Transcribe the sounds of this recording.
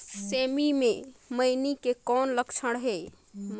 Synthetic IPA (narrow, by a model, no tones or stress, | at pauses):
semimeməjnikekɔnləkt͡ʃʰəɽɦe | m